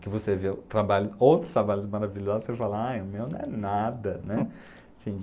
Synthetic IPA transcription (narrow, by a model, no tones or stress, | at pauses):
kɪvosevet̪ɾabalʊsowt̪ɾʊst̪ɾabaʎʊs̬maɾaviʎɔzʊsefalɐajʊmewnɐ̃ɛnad̪ɐnɛ | sĩ